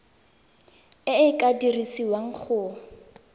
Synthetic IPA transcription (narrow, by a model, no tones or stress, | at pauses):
ɪɪkʼadirisiwaŋ̩k͡xʰʊː